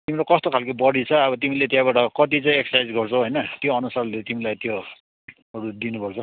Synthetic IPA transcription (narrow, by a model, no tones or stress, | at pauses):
t̪imiɾokʌst̪okʰalkobʌɽit͡sʰʌːbʌt̪imilet̪jãbaʈʌkʌt̪̬it͡saĩeksʌsajd͡zɡʌrt͡sʰʌɦʌjnʌt̪joʌnusarlet̪imilajt̪jo | ʌɾud̪inupʌrt͡sʰʌ